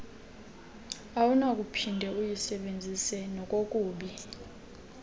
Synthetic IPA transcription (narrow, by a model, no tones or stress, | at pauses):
awunak̬ʼupʰindʱɛujisɛɓend͡zʱisɛnɔk̬ʼokʼuːɓi